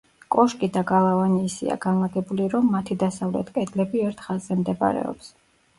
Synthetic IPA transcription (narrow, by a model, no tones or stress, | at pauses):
kʼɔʃkʼid̪aɡalˠavaniːsḭa̰ɡanlˠaɡɛbuliɾɔmːat̪ʰid̪asavlɛt̪ʼkʼɛd̪lɛbiɛɾt̪ʰχazːɛmd̪ɛba̰ɾɛ̰ɔ̰ps